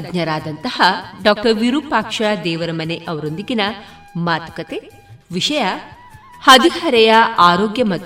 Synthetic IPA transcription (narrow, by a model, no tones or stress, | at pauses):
dɲɐɾaːd̪ɐnt̪ɐhɐɖaːk̚ʈɐɾʋiɾuːpaːkʂad̪ɛːʋɐɾɐmɐneʔɐʋɐɾond̪iɡinɐ | maːt̪ɐ̥kɐt̪e | ʋiʂɐjɐ | hɐd̪ihɐɾɛjɐaːɾoːɡjɐmɐt̪